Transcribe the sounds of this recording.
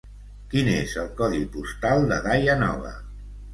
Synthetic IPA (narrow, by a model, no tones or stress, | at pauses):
kinezəlˠkɔðipust̪alˠd̪əɣajənɔ̰βə̰